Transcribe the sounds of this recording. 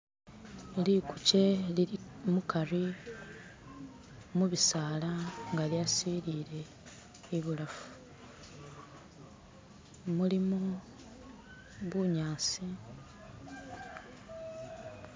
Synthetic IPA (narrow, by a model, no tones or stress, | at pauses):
elikuce̞lmukaɾi | muβisaːlaŋɡaljasiɾiːɾe̞ː | βulafu̥ | mulimu | βuɲaːsi